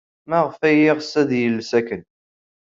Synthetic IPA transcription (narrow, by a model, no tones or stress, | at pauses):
mæʁfæjɪʁsːæðjəlːsækən